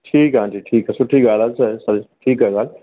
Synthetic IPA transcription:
ʈʰiːkɦãːnd͡ʒiːʈʰiːkɦɛsʊʈʰiɡaːlasɐsɐɾʈʰiːkɛɡaːl

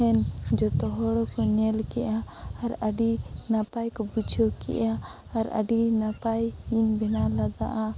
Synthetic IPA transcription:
ɛnd͡ʒɔt̪ɔɦɔɽɔkɔɲɛlkɛʔaːɾaɖinapajkɔbud͡ʒʰɔkɛ̰ʔjaː | ɾa̰ɖinapajinbɛnalad̪a̰ʔa

